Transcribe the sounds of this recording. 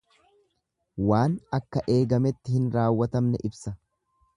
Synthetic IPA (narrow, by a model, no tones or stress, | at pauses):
waːnɐkːɐʔe̞ːɡɐmɛt̪ːɪhɪnɾaːwːɐt̪ɐmnɛʔɪbsɐ